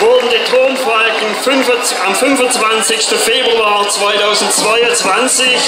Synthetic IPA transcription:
vʊɐdn̩detʁoːmfalk | fn | amfʏnvʊnt͡sv̥ant͡sɪçstəfeːbʁuaːʁt͡sv̥aɪtʰaʊzn̩tt͡sv̥aɪʊnt͡sv̥ant͡sɪç

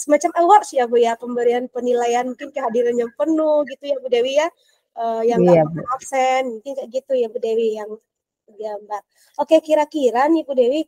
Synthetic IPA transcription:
səmat͡ʃaməwaʔsiabujapəmbəɾianpənilajanmuŋkɪnkəɦadiɾanjaŋpənʊhɡit̪ujabudewija | əjaŋaŋɔfsɛnmũŋkɪnkaʔɡit̪ujabudewijaŋ | əɡambar̚ | ʔokekiɾakiɾanibudewi

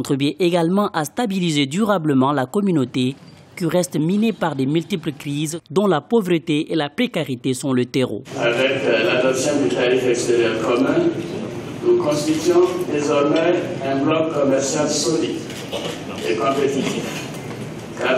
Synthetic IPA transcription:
t̪χəbjɛ̃ʔeɡalmɑ̃ʔast̪abilized̪yʁabləmɑ̃lakɔmynot̪e | kiʁɛst̪minepaʁd̪emylt̪ipləkχizd̪ɔ̃lapovʁət̪eelapχekaʁit̪esɔ̃lət̪eʁo̰a̰vɛklad̪ɔpsjɔ̃d̪yt̪aʁifɛkst̪eʁjœʁkɔmɛ̃ | nukɔ̃st̪it̪ɥɔ̃d̪ezɔʁmɛɛ̃blɔkːɔmɛʁsjalsolid̪ | ekɔ̃pet̪it̪if | ka

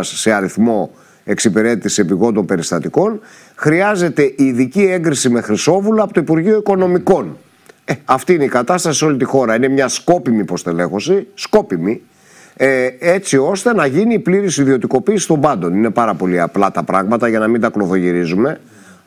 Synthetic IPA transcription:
sːe̞ɐɾiθmo̞ | e̞ksipiɾe̞t̪it̪isiepiɣo̞nd̪o̞mpe̞ɾist̪ɐt̪iko̞n | xɾiɐze̞t̪e̞ʔiːðicie̞ŋɡɾisime̞xɾiso̞vulɐpot̪o̞ipuɾʝio̞iko̞no̞miko̞n | eɐft̪iineikɐt̪ɐst̪ɐsiseo̞lit̪ixo̞ɾɐine̞mɲɐsko̞pimipo̞st̪e̞le̞xo̞sisko̞pimi | e̞t͡sio̞st̪e̞nɐʝiniːpliɾisiðio̞t̪iko̞piːsist̪o̞mbɐnd̪o̞nine̞pɐɾɐpo̞liɐplɐt̪ɐpɾɐɣmɐt̪ɐʝɐnɐmind̪ɐklo̞θo̞ʝiɾizume̞

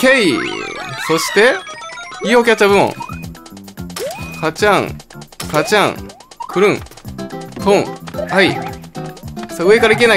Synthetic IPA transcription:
kei | so̞ɕi̥t̪e̞ | iːokʲatt͡ɕːabɯmõ̰ŋ | kat͡ɕãŋkat͡ɕãŋ | kʰɯ̟ɾɯ̟̃ŋ | kʰõŋhai | saɯ̟e̞kaɾaik̬ena

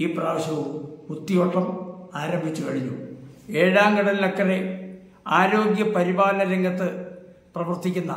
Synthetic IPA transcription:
iːpraːʋɐɕɐʋumut̪ːijo̞ːʈːɐmaːɾɐmbʱit͡ɕːukɐɻiɲːṵe̞ːɻaːŋɡɐɽɐnilekːɐre | aːɾo̞ːɡjɐpɐɾibaːlɐɐɾeŋɡɐt̪ːɨ | prɐʋɐrt̪ːikʲːunːɐ

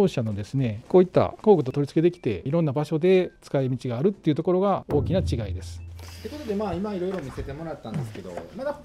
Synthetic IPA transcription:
oːɕano̞d̪e̞sɨne̞ko̞ːit̪ːa̰ko̞ːɡɯ̟t̪o̞t̪o̞ɾʲit͡sɨ̥ke̞d̪e̞kʲi̥t̪e̞̰iɾõ̞nːabaɕo̞d̪e̞t͡sɨ̥kaimʲit͡ɕiɡaːɾɯ̟t̪ːe̞iɯ̟t̪oko̞ɾo̞ɡao̞ːkʲinat͡ɕiɡaid̪e̞sɨ̥t̪ːe̞ko̞t̪o̞d̪e̞maːimaiɾo̞iɾo̞mʲise̞t̪e̞mo̞ɾat̪ːãnd̪e̞sɨ̥ke̞d̪o̞̰mad̪a

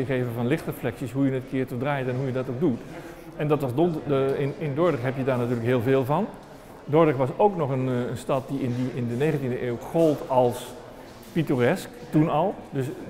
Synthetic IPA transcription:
jəχejvəvɑnlɪχtrəflɛksisɦujənətəkɪːɹtɔdrajtɛnɦujədɑtoɡ̚dut | ɛndɑtʋɑzdɔndɪnɪndʊɹdəχɦɛpjədaːɹnatyːɹləkɦɪːlˠvɪːlˠvɑn | dʊɹdəxʋɑsowknɔχənənstɑt̚diɪndiɪndənejɣəntindəʔeːwχɔlˠtɑlˠs | pitorɛsktunɑlˠdɵs

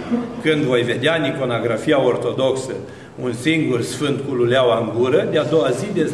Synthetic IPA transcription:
kɨnd̪vo̞jve̞d̪eaniko̞noɡɾafiao̞rt̪o̞d̪o̞ksə | unsiŋɡursfɨnd̪kululeawaɨŋɡuɾəd̪ead̪o̞wazid̪e

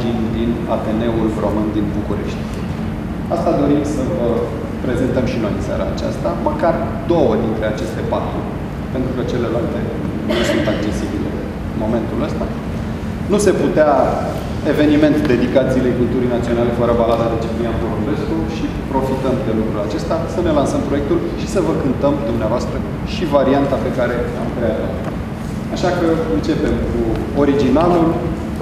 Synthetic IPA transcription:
d͡ʒinʲd̪inat̪e̞ne̞ulro̞mɨnd̪inbukuɾe̞̰ʃt̪ʲ | ast̪ad̪o̞ɾimsəvə | pɾe̞zent̪əmʃino̞jɨnsa̰ɾaːt͡ʃa̰st̪aməkar | d̪o̞wəd̪int̪ɾe̞at͡ʃe̞st̪e̞pat̪ɾu | pe̞nt̪ɾukət͡ʃe̞le̞lalt̪e̞ | nusunt̪ak̚t͡ʃe̞sibile̞̰ | ɨmo̞me̞nt̪uləst̪a | nuse̞put̪ea | e̞ve̞nime̞nt̪d̪e̞d̪ikat̪szilekunt̪uɾijnat̪sio̞nale̞fəɾəbalad̪ad̪et͡ʃemijamd̪olombe̞skuʃi | pɾo̞fit̪əmd̪e̞lukɾulat͡ʃe̞st̪asəne̞lansəmpɾo̞jek̚t̪ul | ʃisəvəkɨnt̪əmd̪umneavoast̪ɾə | ʃivaɾiant̪ape̞kaɾe̞a̰mkɾeavat̪ | aʃakəɨnt͡ʃe̞pe̞mku | o̞ɾid͡ʒinalul

